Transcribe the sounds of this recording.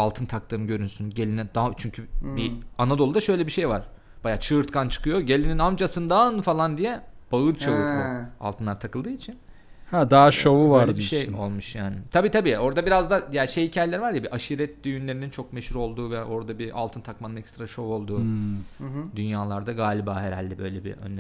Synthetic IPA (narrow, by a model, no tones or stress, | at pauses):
alˠt̪ʰɯnt̪ʰak̚t̪ʰɯːmɟø̞ɾynsynɟelʲinid̪at͡ʃʰyɲcʰybianad̪olˠud̪aʃø̞jlʲɛbiʃe̞jvaɾ̥ | b̥ajaːt͡ʃʰɯːɾt̪kʰant͡ʃʰɯ̥kʰɯjo̞ɟe̞lʲininamd͡ʒasɯnd̪anfalˠand̪ijɛb̥aɯɾt͡ʃʰavɯua̰lˠt̪ɯnˠaɾt̪ʰakɯlˠd̪ɯːit͡ʃʰin | had̪aːʃovuvaɾd̪ɯʃejo̞lˠmuʃjaːnɪt̪ʰabiːt̪ʰabiːo̞ɾd̪abiɾazd̪ajaːʃejicʰaːjelʲæɾivaɾjabiʔaʃiɾɛt̪̚d̪yjynlʲe̞ɾinint͡ʃʰo̞k̚me̞ʃuɾo̞lˠd̪uːvɛʔo̞ɾd̪abiʔa̰lˠt̪ʰɯnt̪ʰakmanɯnɛkst̪ɾaʃo̞vo̞lˠd̪uː | d̪ynjaːlˠaɾd̪aɡaːlʲiba̰ːhe̞ɾa̰lʲd̪ibø̞̰jlʲebḭʔø̰nːʲ